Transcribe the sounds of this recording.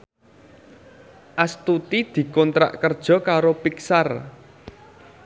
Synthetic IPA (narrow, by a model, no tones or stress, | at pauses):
ʔast̪ut̪id̪̥i̤kɔnt̪ɾa̰ʔkərd̥ʒ̥ɔ̤kaɾopiksar